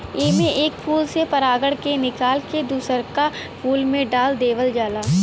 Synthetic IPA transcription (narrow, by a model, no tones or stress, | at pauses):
eːmẽʔeːkpʰuːlsepɐɾaːɡəɽkenɪkaːlked̪uːsəɾka | pʰuːlmẽɖaːld̪eːʋəld͡ʒaːlaː